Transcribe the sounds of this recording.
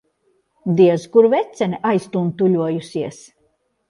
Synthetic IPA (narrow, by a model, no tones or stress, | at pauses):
d̪iɛzkuɾvɛt̪sʲɛniʔajst̪unt̪uʎʲuɔjusiɛs